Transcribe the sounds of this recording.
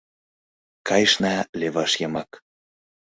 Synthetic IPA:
kɑjʃnɑleβɑʃjɤmɑk

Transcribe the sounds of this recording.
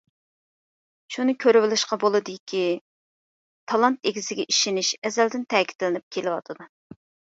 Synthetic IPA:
ʃunɨkʲʰøɾɪwɪlɪʃqɑbolˠɨd̪ɨkʲʰi | t̪ʰɑlˠɑnt̪eɡʲizɪɡʲɛʔiʃɪnɪʃɛzɛld̪ɪnt̪ʰɛːkʲʰi̥t̪lɪnɪp̚kʲʰelɪwɑt̪ʰɨd̪u

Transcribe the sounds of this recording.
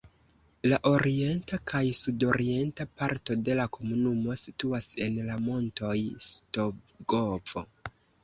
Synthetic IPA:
laʔo̞ɾie̞ntakʰajsudo̞ɾie̞ntapaɾto̞de̞lakʰo̞munumo̞situase̞nlamo̞nto̞jsto̞ | ɡov̥o̞̰

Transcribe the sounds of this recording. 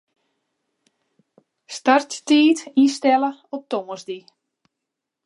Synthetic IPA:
starttiːtinstɛləɔp̚tɔməzdi

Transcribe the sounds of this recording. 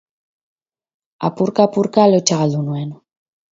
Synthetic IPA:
a̰puɾkapuɾkalot͡ʃaɣalunuen

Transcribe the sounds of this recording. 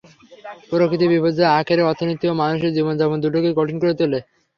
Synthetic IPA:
poɾokʰːit̪̬ibibʱod͡ʑoeakʰeɾeɔɾt̪ʰːinot̪iomanuʃeɾd͡ʑibond͡ʑɛmond̪uɾʈokeɡɔʈʰinkoɾet̪ele

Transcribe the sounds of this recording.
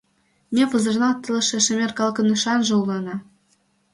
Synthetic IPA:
mʲepɤ̆zɤ̆rnɑt̪ɤ̆lɤ̆ʃĕʃɘ̆mʲerkɑlˠkɤ̆nɯʃɑnʒɤ̆ulˠɑnɑ

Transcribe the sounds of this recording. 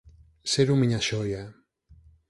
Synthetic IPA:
seɾumiɲaʃɔja

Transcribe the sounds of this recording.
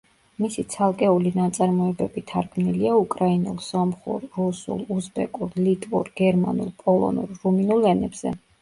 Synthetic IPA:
misit̪sʰalˠkʼɛulinat̪sʼaɾmɔɛbɛbit̪ʰaɾɡʰmniliaukʼɾainulˠsɔmχṵɾːusṵlˠusbɛ̰kʼuɾlit̪ʼvṵɾɡ̥ɛɾma̰nṵlˠpʼɔlˠɔ̰nṵlːuminulˠɛnɛbz̥ɛ̰

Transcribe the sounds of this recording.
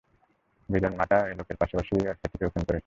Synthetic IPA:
bid̪onmaʈaelokeɾpaʃapaʃibiɾiaɾkʰet̪ʰːikeokʰinkoɾe

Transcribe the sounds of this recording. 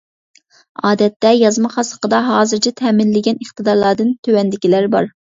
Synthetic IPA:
ɑːd̪ɛt̪ːɛjɑzmɑχɑsə̥qəd̪ɑɦɑːzɨɾt͡ʃʰɛt̪ʰɛːmɪnlɪɡʲɛnəχt̪ɨd̪ɑɾlˠɑɾd̪ɨnt̪ʰøwɛnd̪ɪkʲilæɾbɑɾ

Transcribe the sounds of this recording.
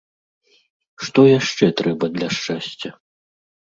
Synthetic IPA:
ʂt̪ɔjaʂt͡ʂɛt̪ɾɛbɐd̪lʲɐʂt͡ʂasʲt͡sʲɐ

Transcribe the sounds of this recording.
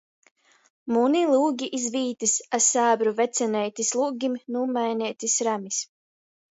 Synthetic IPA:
munilˠuːɡʲiʔizviːt̪isasaːbɾuvɛt̪sʲɛnɛjt̪ʲislˠuːɡʲimnuːmajnʲɛːt̪ʲisɾamis

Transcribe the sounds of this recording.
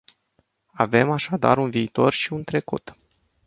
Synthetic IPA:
ave̞maʃad̪a̰ɾunviːt̪o̞rʃiunt̪ɾe̞kṵt̪

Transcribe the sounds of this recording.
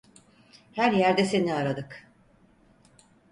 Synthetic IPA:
hæɾjæɾd̪ɛse̞niaɾad̪ɯk

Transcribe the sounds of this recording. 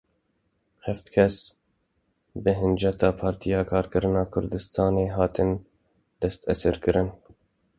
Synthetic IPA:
hɛft̪kʰɛs | bɨɦɨnd͡ʒɛt̪ɑːpʰɑːɾt̪ʰijɑːkʰɑːɾkɨɾɨnɑːkʰʊɾd̪ɨst̪ʰɑːneːɦɑːt̪ɨn | d̪̥ɛst̪ɛsɨɾkɨɾɨn

